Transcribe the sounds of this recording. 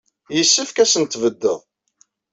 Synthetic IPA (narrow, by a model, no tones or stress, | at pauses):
jəsːəfkæsənt̪vəd̪ːəðˤ